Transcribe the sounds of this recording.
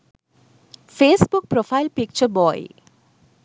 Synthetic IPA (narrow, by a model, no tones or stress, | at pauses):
fesbuk̚pɾofʰajlpik̚t͡ʃʰəbɔj